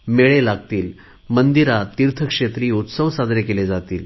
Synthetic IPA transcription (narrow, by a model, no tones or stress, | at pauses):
meɭelaɡ̚t̪iːl | mənd̪iɾat̪iɾt̪ʰəkʂet̪ɾiːut̪səʋsad̪ɾekeled͡zat̪iːl